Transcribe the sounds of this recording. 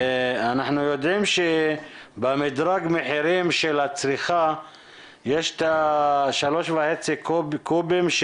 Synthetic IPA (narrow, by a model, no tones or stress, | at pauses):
anaħnujod̪ʕimʃebamid̪ɾaɡmeħiɾimʃelat͡sɾiχa | jeʃt̪aʃalo̞ʃvaħet͡sikkubimʃ